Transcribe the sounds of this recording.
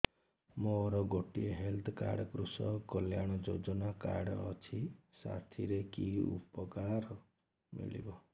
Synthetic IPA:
moɾɔɡoʈieɦelt̪ʰɔka̰ɽɔkɾusɔkɔljaɽ̃ɔd͡ʒod͡ʒɔnaka̰ɽɔːt͡ʃʰisa̰t̪ʰiɾekiṵpɔkaɾɔ | mḭɭḭbɔ

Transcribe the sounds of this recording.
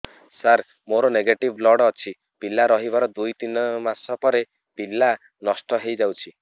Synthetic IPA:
saɾ | moɾɔneɡeʈiblɔɽɔt͡ʃʰi | pilaɾɔɦibaɾɔd̪ujt̪inɔmasɔpɔɾe | pila | nɔsʈɔɦejd͡ʒawt͡ʃʰi

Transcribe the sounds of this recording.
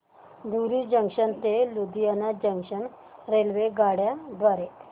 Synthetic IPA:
d̪uɾid͡ʑəŋkʂənt̪elud̪ijanad͡ʑəŋkʂən | ɾelʋeɡaɽjad̪ʋaɾe

